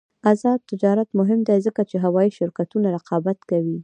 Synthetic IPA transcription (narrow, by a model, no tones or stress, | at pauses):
azɑd̪̚t̪ːɪd͡ʒɑɾat̪mʊɦɪmd̪ajzəkat͡ʃeɦawɑjiʃɪɾkat̪unaɾɪqɑbat̪kawi